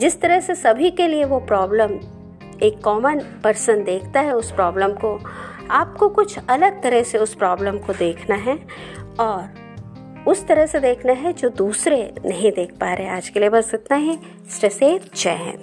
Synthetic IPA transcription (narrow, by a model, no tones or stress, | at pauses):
d͡ʒɪst̪ɐɾəɦsesɐbʱikelieʋopɾɔːbləm | eːkːɔːmənpɐɾsə̃nd̪eːkʰt̪aɦɛʊspɾɔːbləmko | aːp̚kokʊt͡ʃʰɐləɡ̚t̪ɐɾəɦseʊspɾɔːbləmkod̪eːkʰnaɦɛ | ɔːɾ | ʊst̪ɐɾəɦsed̪eːkʰnaɦɛd͡ʒoːd̪uːsɾenɐɦĩd̪eːk̚ʰpaːɾeɦɛaːd͡ʒkeliebɐsɪt̪naɦɛ | sʈɾɛseːt̪̚t͡ʃɛɦɛ̰̃n